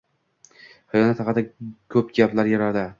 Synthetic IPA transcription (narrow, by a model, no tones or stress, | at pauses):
hajɒnɪt̪ʰɑqɑd̪akʰɵp̚ɡʲaplaɾjaɾaɾd̪ɪ